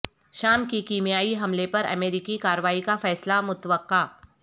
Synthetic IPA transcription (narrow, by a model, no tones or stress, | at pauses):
ʃaːmkikiːmijaːiɦɐmlepɐɾɐ̰meːɾɪkikaːɾəʋaːikafɛːslamʊt̪ʋəqːaː